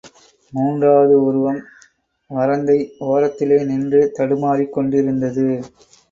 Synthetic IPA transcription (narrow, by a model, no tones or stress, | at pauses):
muːndraːðɯʊɾɯʋɐm | ʋɐɾɐnd̪ɐɪoːɾɐt̪ːɪleːnɪndrɯt̪ɐɽɯmaːɾikːɔɳɖɪɾɯnd̪ɐðɯ